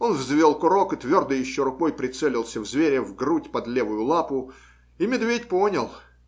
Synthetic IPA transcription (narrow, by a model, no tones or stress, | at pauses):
onvzvʲo̞lˠkʊɾo̞kɨt̪vʲo̞rd̪əjɪɕːoɾʊkojpɾʲɪt̪sɛlʲɪlˠsʲəvzvʲeɾʲɪvɡrutʲpɐd̪lʲevʊjʊlˠapʊ | imʲɪd̪vʲetʲponʲəlˠ